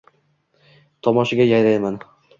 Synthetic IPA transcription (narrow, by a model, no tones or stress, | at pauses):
t̪ʰɒmɒʃɪɡʲajajɾajman